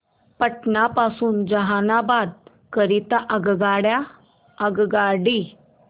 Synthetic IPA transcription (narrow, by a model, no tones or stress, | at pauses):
pəʈnapasuːnd͡zəɦanabad̪̚ | kəɾit̪aʔəɡɡaɽja | əɡɡaɽi